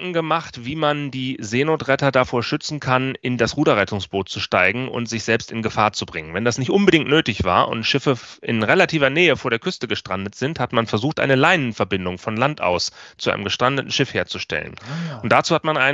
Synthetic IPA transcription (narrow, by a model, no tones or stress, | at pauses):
ŋ̩ɡəmaχtv̥iːmandiːzeːnoːtʁɛtɐdafoːɐʃʏt͡sn̩kʰanɪndasʁuːdɐʁɛtʊŋsb̥oːt̚t͡suʃtaɪɡŋ̩ʔʊ̰ntz̥ɪçz̥ɛlpstɪnɡəfaːɐt͡subʁɪŋənvɛndasnɪçtʔʊnbədɪŋtnøːtɪçv̥a̰ːɐʔʊ̰ntʃɪfəɪ̰nʁelatʰiːvɐnɛːəfoːɐɾeːɐkʏstəɡəʃtʁ̥andətz̥ɪnthatmanfɛɐzuːxtʔa̰ɪnəlaɪnənfɛɐbɪndʊŋfɔnlantʔa̰ʊst͡sua̰ɪnəmɡəʃtʁ̥andətn̩ʃɪfheːɐt͡suʃtɛ̰lə̰nʊntd̥at͡suːhatmanʔaɪ